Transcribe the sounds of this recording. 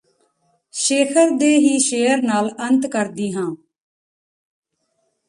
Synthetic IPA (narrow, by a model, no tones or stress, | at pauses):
ʃeːkʰəɾd̪eːɦiːʃeːəɾnaːlənt̪kəɾd̪iːɦãː